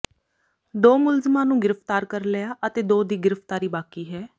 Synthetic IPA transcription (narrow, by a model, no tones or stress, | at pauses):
d̪oːmʊlzəmãːnũːɡɪɾəpt̪aːɾkəɾleaːʔət̪eːd̪oːd̪iːɡɪɾəpt̪aːɾiːbaːkiːɦɛː